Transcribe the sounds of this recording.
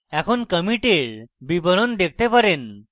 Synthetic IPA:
ɛkʰuːnkəmiʈeɭbibəɾond̪ek̚ʰt̪epəɾen

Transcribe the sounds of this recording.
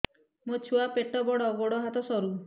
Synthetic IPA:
mot͡ʃʰuapeʈɔbɔɽɔːɡɔɽɔɦat̪ɔsɔɾu

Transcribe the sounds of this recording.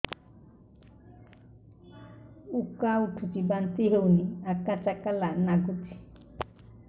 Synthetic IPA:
ukauʈʰukibant̪iɦewniakːat͡ʃakːalanaɡut̪i̥

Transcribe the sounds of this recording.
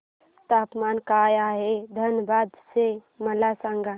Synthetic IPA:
t̪aːpmaːnkaːjaːɦed̪ʱənəbaːd̪se | mɐlasãŋɡa

